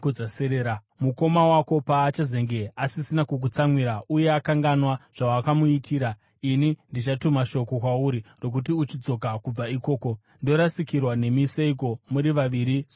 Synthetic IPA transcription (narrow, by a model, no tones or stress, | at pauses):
d͡zaseɾeːɾa | muko̞mawako̞paːt͡ʃaze̞ŋɡe̞asisinakuk̬ut͡samwiɾaʔuje̞akaŋɡanwaʐ̥awakamuitʰiːɾa | inindit͡ʃatumaʃo̞ko̞kwauɾiro̞k̬ut̬iut͡ʃid͡zo̞kakub͡vaiko̞ːko̞ | ndo̞ɾasikirwane̞miseik̬o̞muɾiʋaʋiɾis